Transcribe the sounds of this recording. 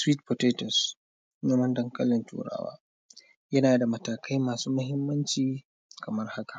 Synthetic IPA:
swiː˦t̚po˨teː˦tɔ˨s | ɲɐ˦mɐ˦ndɐ˦ŋkɐ˦lːɪ˨ntṵː˨ɽa̰ː˦wa̰ː˦ | jɐ˦naː˨da˨mɐ˨taː˨kʰa˦jmaː˨suː˦mɐ˦hɪ˦mːɐ˦nt͡ʃiː˨ | kɐ˨mɐ˦rha˦kḁ˨

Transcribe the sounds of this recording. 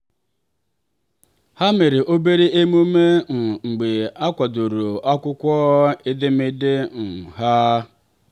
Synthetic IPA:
ha˦me˨ɾɪ˨ʔo˦be˦ɾe˦e˦m˦u˦me˦ŋ̩˨ŋ͡m̩˨ɡ͡be˨a˦kʷa˨du˨ɾu˨a˦kʷʊ˦kʷɔː˦ɪ˦dɪ˦mɪ˦dɪ˦ŋ̩˨ɦa˦

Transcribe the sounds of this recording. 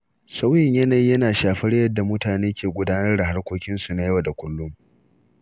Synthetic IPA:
sa˦wjɪ˨ɲjɐ˦na˨ji˦jɐ˦naː˨ʃaː˨ɸɐ˦ɽjɐ˦dːa˨mʊ˦taː˨neː˦kʲeː˨ɡʷʊ˦daː˦nɐ˦rda˨ɦa˦rkʷoː˦kʲɪ˦nsu˨na˦jɐ˦wa˨da˨kʷʊ˦lːʊ˦m

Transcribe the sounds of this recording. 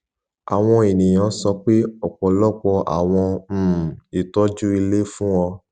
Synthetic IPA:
a˨w̃ɔ̃˧e˨nĩ˨j̃ã˨˦sɔ˧k͡pe˦ɔ˨k͡pɔ˨lɔ˦˨k͡pɔ˧a̰˨w̃ɔ̃˧˨i˨tɔ˨˦d͡ʒu˦i˧le˦fũ˦ɔ˧

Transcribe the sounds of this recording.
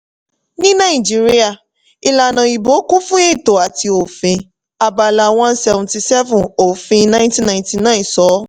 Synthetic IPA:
nĩ˦nã˦˨ĩ˨d͡ʒi˦ɾi˦a˦˨ | i˧la˨nã˨i˨bo˨˦ku˦fũ˦e˦i˦˨to˨a˨ti˧o˨fĩ˧ | a˧ba˧la˧w̃ɔ̃˦n̩˦sɛ˧vɔ̃˨ti˧sɛ˦vũ˨o˨fĩ˧nã˦ĩ˦tĩ˦nã˨ĩ˦ti˧nã˦ĩ˨sɔ˨˦

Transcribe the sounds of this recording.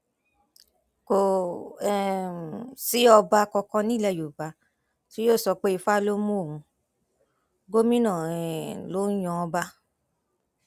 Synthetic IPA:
ko˨ | si˨˦ɔ˧ba˧kɔ˧kɔ̃˦˧nĩ˦˨lɛ˧˨jo˨ba˨˦ | ti˦joː˦˨sɔ˧k͡pe˦i˧fa˦˧lo˦mũ˦o˦˨ũ˧ | ɡo˦mĩ˦nãː˦˨ɛ˨lo˨˦j̃ɔ̃˧˦ɔ˧ba˧

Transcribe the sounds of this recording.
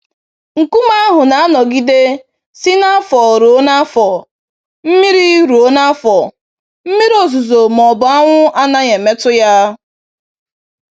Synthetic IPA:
ŋ̩˨ku˦ma˦a˦ɦʊ˨na˨a˦nɔ˨ɡi˦de˦ | si˦na˦fɔ˨ɾo˦na˦fɔ˨ | m̩˦mi˦ɾi˦ɾo˨˦na˦fɔ˨ | m̩˦mi˦ɾo˨zu˨zo˨mɔ˨bʊ˨a˦ŋʷʊ˦a˦na˦ɲe˨me˦tʊ˦ja˦

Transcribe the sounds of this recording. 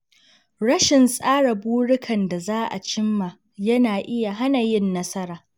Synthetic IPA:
ɽɐ˦ʃɪ˨nsʼaː˦ɽa˨buː˦ɽɪ˦kʰɐ˨nda˨zaː˦ʔa̰˨t͡ʃɪ˦mːa˨ | jɐ˦naː˨ʔɪ˦ja˨ɦa˦na˨jɪ˦nːɐ˦sɐ˦ɾaː˨

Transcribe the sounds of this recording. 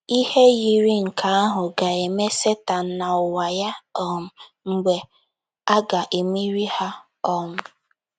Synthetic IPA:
i˦he˦ji˨ɾi˦ŋ̩˨kʰa˨˦a˦ɦʊ˨ɡa˨e˨me˦se˦ta˨n̩˦na˨ʊ˨wa˨ja˦ɔ˦mʊ˨ | ŋ͡m̩˨ɡ͡be˨ | a˦ɡa˨ʔe˨mi˦ɾi˦ha˦ | ɔ˦ŋʊ˨

